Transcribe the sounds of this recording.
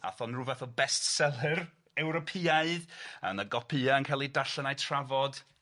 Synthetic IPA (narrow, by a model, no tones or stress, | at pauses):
a̰θɔnruvaθɔbɛstsɛlˠɪr | ɛwɾɔpʰiaɨðə̰nəɡɔpʰɨaənkʰajlˠidaɬənajtʰravɔd̥